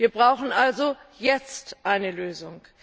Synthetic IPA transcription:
viːɐbʁaʊxn̩ʔalzo | jɛt͡stʔaɪnəløːzʊŋ

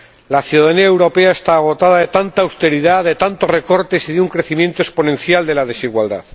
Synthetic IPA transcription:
laθjuðaðaniaewɾo̞peae̞st̪aːɣ̞o̞t̪aðaðe̞t̪ant̪aːwst̪e̞ɾiðaðe̞t̪ant̪o̞re̞ko̞ɾt̪e̞siðeuŋkɾe̞θimje̞nt̪oe̞spo̞nẽ̞nθjald̪e̞laðe̞siɣwald̪a̰ð

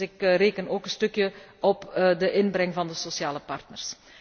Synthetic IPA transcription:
ɪkreːkənoːkənstɵkjəɔpdəʔɪnbɾɛŋvɑndəsosjaːləpɑrtnərs

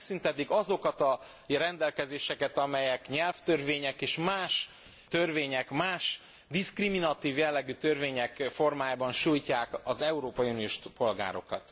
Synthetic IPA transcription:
synt̪ɛt̪ikɒzo̞kɒt̪ɒ | rɛnd̪ɛlkɛzeːʃɛkɛt̪ɒmɛjɛkɲɛlft̪ørveːɲɛkeːʃmaːʃ | t̪ørveːɲɛkmaːʃ | d̪iskriminɒt̪iːvjɛlːɛɡyːt̪ørveːɲɛkfo̞rmaːjaːbɒnʃujcaːkɒzɛuɾoːpɒjunijoːʃpo̞lɡa̰ːɾo̞̰kɒt̪

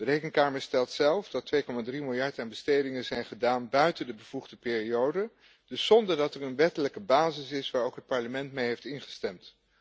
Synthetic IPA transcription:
dərejkəŋkaːməɹstɛlˠtsɛlˠfdɑtʋejkɔmaːdrimɪlˠjɑɹtaːnbəstejdɪŋəzɛjnχədaːnbœɥtəndəbəvuχdəpɪːriowdə | d̥ɵsːɔndəɹdɑtɛɹənʋɛtələkəbaːzɪsɪsʋaːɹowkɦət̚pɑɹləmɛntmejɦejftɪnχə̥stɛmt

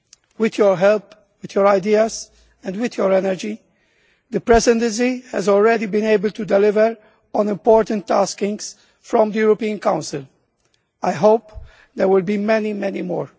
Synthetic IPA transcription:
wɪðjɔɹɦɛlp | wɪðjɔɹaɪdiəz | ɛ̃ndwɪðjɔɹɛnəɹd͡ʒi | ðəpɹɛsɛ̃ntə̃ns̬ihæ̰zɔlˠɹɛdibĩneɪbəl̩tudɛlɪvəɹ | ɔ̃nɪ̃mpɔɹtə̃ntʰːaskɪ̃ŋz̥ | fɹɔ̃mðəjuɹɔpiə̃nkãʊ̃nsɪl | ajɦoʊp | ðəɹwɪlbimɛnimɛnimɔ̰ːɹ

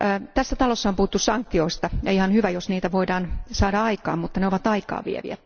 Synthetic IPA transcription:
t̪æsːæt̪ɑlosːɑompuhut̪ːussɑŋk̚t̪ioist̪ɑjɑihɑnhyʋæjosniːt̪æʋoidɑːnsɑːdɑɑikɑ̰ːmmut̪ːɑneoʋɑt̪ɑikɑ̰ːʋʋḭḛʋḭæ̰

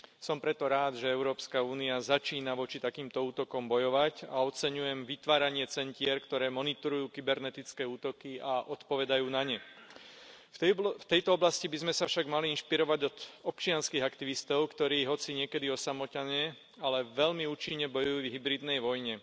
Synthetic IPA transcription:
sɔmpɾɛt̪ɔɾaːd̪ʒɛɛʊɾɔːpskauːniazat͡ʃiːnaʋɔt͡ʃit̪akiːmt̪ɔuːt̪ɔkɔmbɔjɔʋacaɔt͡sɛɲujɛmʋit̪ʋaːɾaɲɪɛt͡sɛncɪɛɾkt̪ɔɾɛːmɔnit̪ɔɾujuːkibɛɾnɛt̪it͡skɛːuːt̪ɔkiaʔɔt̪pɔʋɛd̪ajuːnaɲɛ | ft̪ɛjt̪ɔɔblascibizmɛsafʃaɡmaliinʃpiɾɔʋaɟɔd̪ɔpt͡ʃɪanskiɦakt̪iʋist̪ɔʊkt̪ɔɾiːɦɔt͡siɲɪɛkɛd̪iɔsamɔcaɲɛ | alɛʋɛʎmiuːt͡ʃiɲːɛbɔjujuvɦibɾid̪nɛjʋɔjɲɛ

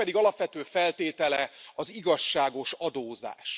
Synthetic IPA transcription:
ɛd̪iɡɒlɒpʋɛt̪øːfɛlt̪eːt̪ɛlɛɒziɡɒʃːaːɡo̞ʃɒd̪oːza̰ːʃ

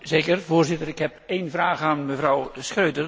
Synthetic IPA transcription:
zeːkərvoːɹzɪtəɾɪkhɛpeːnvraːɣaːnməvrɔwskrøɥtər

